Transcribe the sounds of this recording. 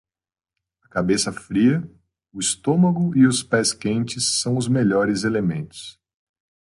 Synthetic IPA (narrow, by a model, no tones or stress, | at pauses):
ɐkabesɐfɾiɐ | ʊist̪õmɐɡʊiʊspɛskẽnt͡ʃɪsːɐ̃w̃ʊzmeʎɔɾɪzelemẽnt̪ʊ̥s